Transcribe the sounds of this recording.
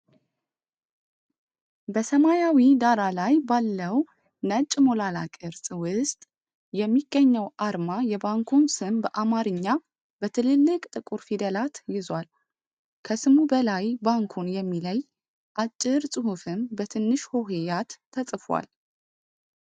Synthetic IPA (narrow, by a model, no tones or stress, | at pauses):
bəsəmajawid̪aɾalajbalːəw | nət͡ʃʼːmo̞lalakʼɨɾsʼwʊst̪ʼ | jɛmːiɡ̥ːəɲːəwʔaɾmajɛbaŋkʰunsɨmbəʔamaɾɨɲːa | bət̪ʰɨlɨlːɨkʼt̪ʼɨkʼuɾfid̪əlat̪jɪzwal | kʰəsɨmubəlajbaŋkʰunjɛmːiləj | ʔat͡ʃʼːɪɾsʼɨhufɨmbət̪ʰɨnːɨʃho̞ɦejat̪ʰːəsʼfwa̰l